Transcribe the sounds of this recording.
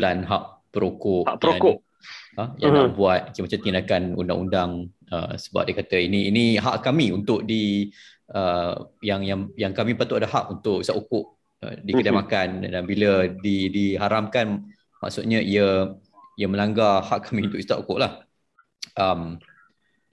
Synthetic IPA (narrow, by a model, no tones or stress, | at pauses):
lanɦaʔpəɾokʊʔaəɾakʊʔ | əjaabuat̪̚kmat͡ʃamt̪inakanṵnda̰ŋundaŋ | ə̰sə̥ba̰p̚dekat̪əiniːniɦaʔkamiunt̪ʊʔ̚di | əjaŋjaŋjaŋkamipat̪uʔadahaʔunt̪ʊʔist̪aʔukʊʔ | ə̰dikədamakandanbilədidiɦaɾamkan | ma̰ʔsʊt̪̚ɲəiə | iəmə̃laŋɡahaʔkamĩunt̪ʊʔist̪aʔṵkʊʔlah | ʔəm